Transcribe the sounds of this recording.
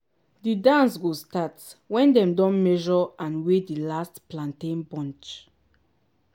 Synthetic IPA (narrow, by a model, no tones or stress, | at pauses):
didãnsɡostatwɛ̃ndɛ̃mdɔ̃nmɛʒɔãnwedilastplãntẽnbɔ̃nt͡ʃ